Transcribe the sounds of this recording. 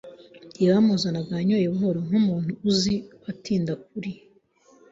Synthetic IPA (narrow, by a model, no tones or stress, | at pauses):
amozanaɡaɲojeɦoɾoŋumuːn̥huːziatiːndak̚uɾi